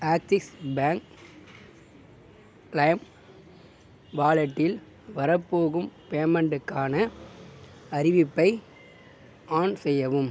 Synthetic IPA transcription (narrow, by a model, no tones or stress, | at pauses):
aːk̚t̪ɪksbaːŋk | lɐjm | ʋaːlɐʈːɪl | ʋɐɾɐpːoːɣɯmpeːmɛɳɖɯkːaːnɐ | ɐɾɪʋɪpːɐɪ | ʔaːnsɛjːɐʋɯm